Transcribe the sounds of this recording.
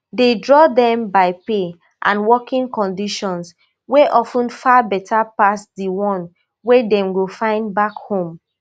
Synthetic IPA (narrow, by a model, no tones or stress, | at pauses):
dedɹɔdɛ̃mbaɪpe | ʔã̰nwɔkĩŋkɔ̃ndiʃɔ̃ns | weʔɔfə̃nfabɛtʰapasdiwɔ̃n | wɛdɛ̃mɡofãɪ̃ndbakhõm